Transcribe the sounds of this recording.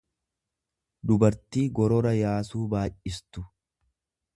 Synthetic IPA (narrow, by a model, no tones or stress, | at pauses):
d̪ʊbɐɾt̪iːɡɔɾɔɾɐjaːsuːbaːʔɪst̪ʊ